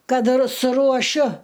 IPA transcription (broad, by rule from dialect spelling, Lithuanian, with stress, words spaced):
ˈkɐt ɪr sʊruɔˈʃʲʊ